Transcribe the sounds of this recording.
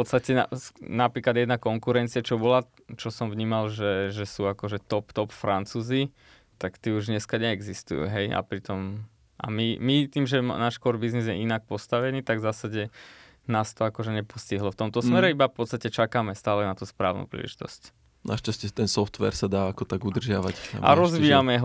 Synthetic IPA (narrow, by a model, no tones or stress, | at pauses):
pɔtt͡sst̪acɛna̰napɾiːklad̪jɛd̪nakɔŋkuɾɛnt͡siat͡ʃɔbɔla | t͡ʃɔsɔmvɲiːmalʒɛʒɛsuːakɔʒɛt̪ɔpt̪ɔpfɾant͡suːzi | t̪akt̪iːuʒɲɛskaɲɛːɡzist̪ṵjṵːɦɛja̰pɾit̪ɔm | a̰mimit̪iːmʒɛnaːʃkɔɾbiznizjɛʔinak̚pɔst̪aʋɛniːt̪aɡvzasaɟɛ | naːst̪ɔakɔʒɛɲɛpɔsciɦlɔft̪ɔmt̪ɔsmɛɾɛibafpɔtt͡st̪acɛt͡ʃakaːmɛst̪aːlɛnat̪uspɾa̰ːʊnṵpɾḭːlʔɛ̰ʒit̪ɔ̰sc | na̰ʃt͡ʃascɛt̪ɛnsɔft̪ʋɛ̰ːɾsad̪aːakɔt̪aɡud̪r̩ʒɪaʋacna̰ʔa̰ɾɔzʋiːjamɛɦ